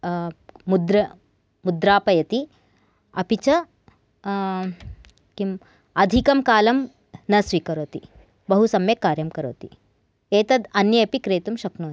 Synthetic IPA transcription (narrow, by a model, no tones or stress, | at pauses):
mud̪ɾɐ | mud̪ɾaːpɐjɐt̪i | ɐpit͡ʃɐ | kim | ɐd̪ʱikɐmkaːlɐm | nɐsʋiːkɐɾoːt̪i | bɐɦusɐmjekːaːɾjɐmkɐɾo̰ːt̪i | eːt̪ɐd̪ɐnjɐɐpikɾeːt̪umʃɐknoː